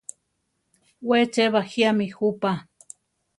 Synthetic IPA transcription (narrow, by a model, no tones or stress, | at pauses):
wet͡ʃeβahiamixupa